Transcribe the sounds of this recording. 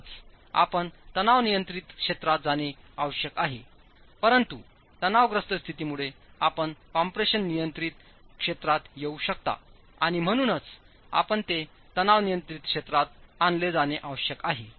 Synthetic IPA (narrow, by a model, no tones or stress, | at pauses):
t͡s | a̰pəɳt̪ənaʋnijənt̪ɾit̪kʂet̪ɾat̪̚d͡zaneaʋəɕjəkaɦḛ | pəɾənt̪u | t̪ənaʋɡɾəst̪əst̪ʰit̪iːmuɭe | apəɳkɔmpɾeɕənːijənt̪ɾit̪ | kʂet̪ɾat̪jeuɕək̚t̪a̰ | a̰ɽ̃im̤ə̃uːnət͡s | a̰pəɳt̪e | t̪ənaʋnijənt̪ɾit̪̚kʂet̪ɾat̪̚anled͡zaneʔaʋəɕjəkaɦe